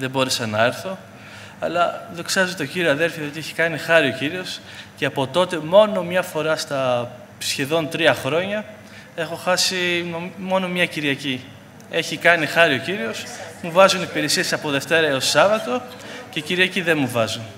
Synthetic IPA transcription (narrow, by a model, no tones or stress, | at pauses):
ðebo̞ɾesɐnɐe̞ɾθo̞ | ɐ̰lɐðo̞ksɐzot̪o̞ɟiɾioɐðe̞lfjɐðiot̪ieçi̥kɐnixɐɾio̞ciɾio̞s | ceɐpo̞t̪o̞t̪e̞mo̞no̞mɲɐfo̞ɾɐst̪ɐ | sçe̞ðo̞nt̪ɾiɐxɾo̞ɲɐ | e̞xo̞xɐsinomo̞no̞mɲɐciɾiɐci | e̞çikɐnixɐɾio̞ciɾio̞smuvɐzunipiɾesie̞sɐpo̞ðe̞ft̪e̞ɾɐeosɐvɐt̪o̞ | ce̞ciɾiɐciðenmuvɐzun